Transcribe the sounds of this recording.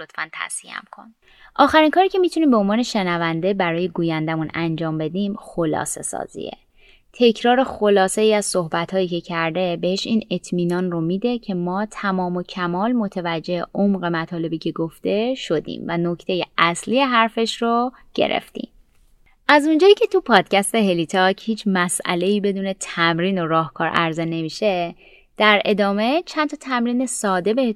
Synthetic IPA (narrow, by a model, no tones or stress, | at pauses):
ot̪fænt̪ʰæ̰sḭæ̰mkʰo̞̰n | ʔɒːxæɾinkʰɒːɾiːcʲʰe̞miːt̪ʰuniːmbeonvɒːne̞ʃe̞nævænd̪e̞bæɾɒːje̞ɡuːjænd̪æmunænd͡ʒɒːmbe̞d̪iːmxolɒ̰ːse̞̰sɒ̰ːzḭḛ | t̪ʰe̞cʰɾɒːɾe̞xolɒːseiːæz̥so̞hbæt̪hɒːjiːce̞cʰæɾd̪e̞be̞heʃiːne̞t̪ʰmiːnɒːnromiːd̪e̞cʰe̞mɒːt̪ʰæmɒːmo̞cʰæmɒːlmo̞t̪ʰevæd͡ʒːe̞eʔomɢe̞mæt̪ʰɒːle̞biːcʰe̞ɡoft̪e̞ʃo̞d̪ḭːmvæno̞cʰt̪ʰe̞jeʔæsliːje̞ɦæɾfe̞ʃro | ɟ̥ḛɾʔḛft̪ḭm | ʔæzund͡ʒɒːjiːcʰe̞t̪ʰupʰɒːd̪̥cæst̪e̞ɦe̞lit̪ʰɒchiːt͡ʃʰmæsʔæ̰le̞iːbe̞d̪uːne̞t̪ʰæmɾiːno̞ɾɒːhkʰɒːɾʔæ̰ɾzene̞miːʃe̞ | d̪̥æɾe̞d̪ɒːme̞t͡ʃʰænt̪ʰɒt̪ʰæmɾiːne̞sɒːd̪e̞be̞he